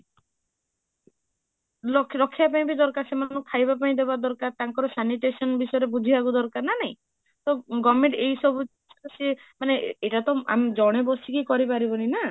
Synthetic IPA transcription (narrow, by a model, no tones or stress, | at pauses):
lɔɾɔkʰːjapaĩbid̪ɔɾkaɾsemanɔkʰajbapaĩd̪ebad̪ɔɾkaɾt̪aŋkɔɾɔsaniʈesɔnbisɔjɔɾebud̪ʱiaɡud̪ɔɾkaɾnanaɦĩ | t̪ɔɡɔmẽɳʈeisɔbu | semaneeʈat̪ɔa̰md͡ʒɔɽ̃ebɔsikikɔɾipaɾibɔnina